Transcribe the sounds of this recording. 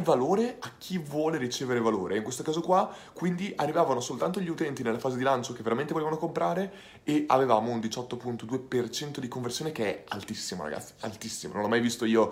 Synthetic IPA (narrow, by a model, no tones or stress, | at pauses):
valoːɾeak̟ːivwɔːleɾit͡ʃeːveɾevaloːɾʔeiŋkwest̪okaːzokwa | kwind̪iʔarːivaːvanosolt̪ant̪oʎiut̪ɛnt̪inelːafaːzed̪ilant͡ʃokevːeɾament̪evoleːvanokompɾaːɾe | ea̰vevaːmound̪it͡ʃɔt̪ːopunt̪od̪uːepert͡ʃɛnt̪od̪ikoɱversjoːnekeɛa̰lt̪isːimo̰ɾa̰ɡa̰t̪sːi̥a̰lt̪isːimo̰nõnlɔmajvist̪oiːo